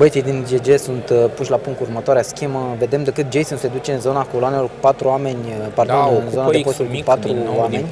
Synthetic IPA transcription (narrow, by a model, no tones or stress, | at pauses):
bəjt̪ijd̪ind͡ʒed͡ʒe̞sunt̪puʃʲlapuŋk̪̚urmət̪oaɾeaskʲeməve̞d̪e̞md̪ekɨt̪̚d͡ʒejsunsed̪ut͡ʃeɨnzonako̞loanelorku̥pat̪ɾuame̞nʲpart̪uɨnzo̞nadepost̪olkupat̪ɾuame̞nʲ